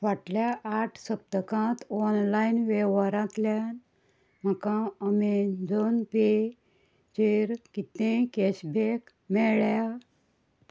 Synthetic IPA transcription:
ʋaʈljaʔːʈʰsəb̚t̪əkãt̪ɔnlainʋɛʋaɾãt̪ljan | m̤əkãəmed͡zɔnpe | t͡ɕeɾkit̪ẽkɛɕbek | mɛɭja

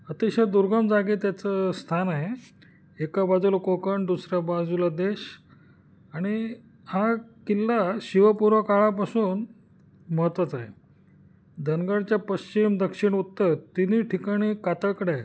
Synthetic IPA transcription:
ət̪iɕad̪uɾɡəmd͡zaɡiːt̪jat͡səst̪ʰanaɦe | ekabad͡zulakokəɳd̪usɾabad͡zulad̪eɕ | aɽ̃i | hakilːaɕiʋəpuɾʋəkaɭap̬asuːn | məɦət̪ʋat͡saɦḛ | d̪ʱənɡəɽt͡ɕjapəɕt͡ɕimd̪əkʂiɽut̪ːəɾt̪iniʈʰikaɽ̃iːkat̪əɭkəɽae

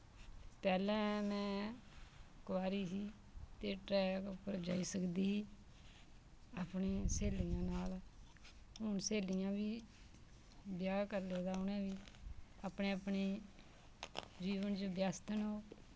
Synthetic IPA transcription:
pɛːlɛ̃ːmɛ̃ː | kʋaːɾiːsiː | t̪eːʈɾɛːkpəɾd͡ʒaːiːsəkd̪iːɦiː | aːpɳeːseːlɪjãːnaːl | ɦʊɳseːlɪjãːʋiː | bjaːkəɾleːd̪aːʊnɛ̃ːʋiːaːpɳeːəpɳeː | d͡ʒiːʋənt͡ʃobjaːst̪ənɦoː

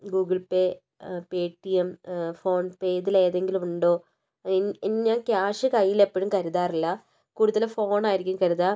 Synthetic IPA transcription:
ɡuːɡɐɭpeː | peːʈːijemfo̞ːɳpeːðile̞ːðe̞ŋɡilumuɳɖo̞ː | enɲaːnkʲjaːʂɨkɐjːilepːɐɻumkɐɾuðaːrilːɐ | kuːɽuðɐlfo̞ːɳaːjiɾikʲːumkɐɾuðaː

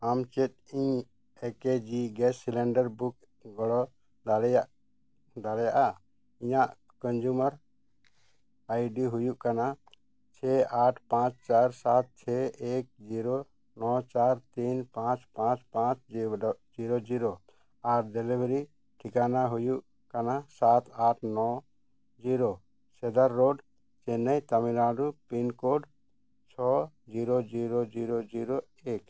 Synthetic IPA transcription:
amt͡ʃɛt̪̚iɲ | ɛked͡ʒiɡɛsilɛɳɖəɾbuk | ɡɔɽɔ | d̪alja | d̪alɛjaʔa | iɲaʔ | kɔnd͡ʒumaɾ | ajɖiɦujuʔkana | t͡ʃʰɛaʈʰpãt͡ʃt͡ʃaɾsat̪̚t͡ʃʰɛek̚d͡ʒiɾɔ | nɔt͡ʃaɾt̪inpãt͡ʃpãt͡ʃpãt͡ʃd͡ʒiɾod͡ʒiɾo | aɾd̪ɛlibɾi | ʈʰikanaɦujuʔ | kanasat̪aʈʰnɔ | d͡ʒiɾo | sɛd̪əɾːoɖ | t͡ʃɛnɛjt̪amiɾaɖupinkoɖ | t͡ʃʰɔ | d͡ʒiɾod͡ʒiɾod͡ʒiɾod͡ʒiɾo | ek

